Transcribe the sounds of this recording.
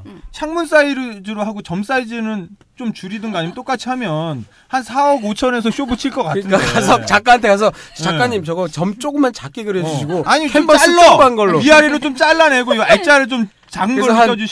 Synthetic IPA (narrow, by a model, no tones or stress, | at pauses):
t͡ɕʰaŋmuns͈aiɾdɯɾoɦaɡot͡ɕʌms͈aid͡ʑinɯn | t͡ɕomt͡ɕuɾidɯnɡʌaɲijʌnt͈ok͈at͡ɕʰiɦamjʌn | hansʰaʌɡot͡ɕʰʌne̞s̬ʰʌɕʰjobɯt͡ɕʰiɭk͈ʌk͈atʰɯnakas̬ʰʌt͡ɕak͈aantʰekas̬ʰʌt͡ɕak͈aɲːimt͡ɕʌɡʌt͡ɕʌmt͡ɕ͈oɡɯmːant͡ɕak͈eɡɯɾed͡ʑuɕʰiɡoaɲit͡ɕʰombʌaɯobanɡʌɭːoiaɾiɾot͡ɕ͈omt͡ɕ͈aɭːane̞ɡoiet͡ɕ͈aɾɯɭt͡ɕ͈om | t͡ɕaɡɯŋɡʌʌd͡ʑu